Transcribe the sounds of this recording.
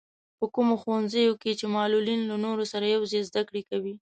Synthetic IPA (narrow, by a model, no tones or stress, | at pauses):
pəkumoxwanzəjoket͡ʃemɑlulinlanoɾosaɾajawzezd̪akɽekawi